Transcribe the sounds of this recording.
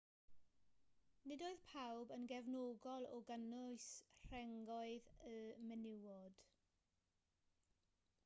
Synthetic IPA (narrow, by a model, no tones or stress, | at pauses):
nɪdoːɨðpʰawbənɡɛvnoːɡɔlˠɔɡənʊɨsr̥ɛŋɡɔɨðəmɛnɪwɔd̥